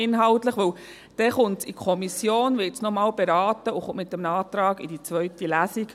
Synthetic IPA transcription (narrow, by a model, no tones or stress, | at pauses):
ɪnɦɑltləχʋɵw | d̥ɛχʊntsikʰɔmisjoːnʋɪtsnɔmɑːlbeɾɑːtəʊχʊmɪt̪̚ːəmnɑːt̪ɾɑːɡḭdit͡sʋœɥtilæsiɡ̥